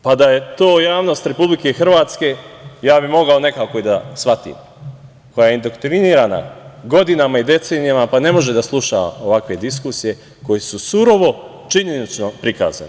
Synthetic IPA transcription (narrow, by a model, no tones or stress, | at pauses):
pad̪aje̞t̪oːjaːʋno̞st̪ɾe̞publike̞xr̩ʋaːt̪ske̞jaːbimo̞ɡaone̞kaːkoid̪asʋat̪ḭːm | ko̞jajeind̪okt̪ɾiniːɾana̰ɡo̞d̪inamaid̪e̞t̪se̞ːnijamapane̞mo̞ʒe̞d̪aslˠuʃaa̰o̞ʋakʋe̞d̪iskuːsije̞ | ko̞jesusuɾo̞ʋo̞ | t͡ʃiɲe̞nit͡ʃno̞pɾika̰ːza̰ne